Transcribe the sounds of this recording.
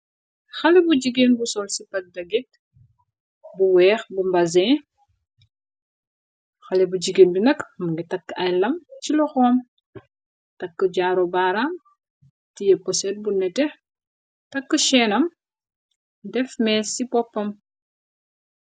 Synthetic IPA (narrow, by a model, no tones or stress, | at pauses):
xɐlɛbuɟiɡeːnbusɔlsipɐt̚dɐɡit̚ | buwɛːxbumbɐzɛː | xɐlɛbud͡ʒiɡenbinɐkmuŋɡitɐkːɐjlɐmt͡ʃilɔxɔːm | tɐkːəɟaːɾɔbaːɾaːm | tijɛpɔsɛt̚bunɛtɛ | tɐkːəʃɛːnɐm | dɛfmɛːsipɔpːɐm